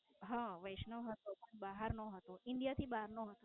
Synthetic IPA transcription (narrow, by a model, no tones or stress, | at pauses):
ɦãʋəjʃnəʋɦət̪opəɳbaɦəɾnoɦət̪oʔɪɳɖijat̪ʰibaɦaɾnoɦət̪o